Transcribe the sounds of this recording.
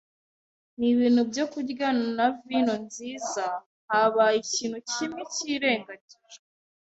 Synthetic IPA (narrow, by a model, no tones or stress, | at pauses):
niβiːn̥hubjo̞kuɾɡananavino̞nziːza | haβaiciːn̤̥hucimiciːɾe̞ːŋɡaɟe